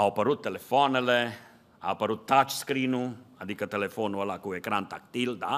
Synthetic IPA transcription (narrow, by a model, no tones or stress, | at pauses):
awpaɾut̪ːelefɔnele | a̰wpaɾut̪ːat͡ʃskɾiːnuad̪ikat̪elefonualakuekɾant̪ak̚t̪ild̪a